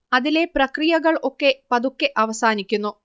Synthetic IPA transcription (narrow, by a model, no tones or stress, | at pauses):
ɐðile̞prɐkrijɐɣɐɭo̞kːe̞pɐðukːe̞ʔɐʋɐsaːnikʲːunːu